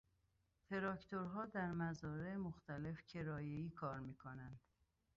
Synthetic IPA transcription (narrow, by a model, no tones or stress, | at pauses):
t̪ʰe̞ɾɒːkt̪ʰoɾɦɒːd̪æɾmæzɒːɾemoxt̪ʰæle̞fcʲʰe̞ɾɒːjeiːkʰɒːɾmiːkʰonænd̪̥